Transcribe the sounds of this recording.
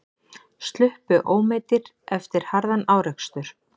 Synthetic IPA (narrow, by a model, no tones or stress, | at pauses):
st̪lʏhpʏʔoːwmeːjt̪ɪɾ | ɛft̪ɪɾ̥haɾðanaːwɾɛkst̪ʏɾ̥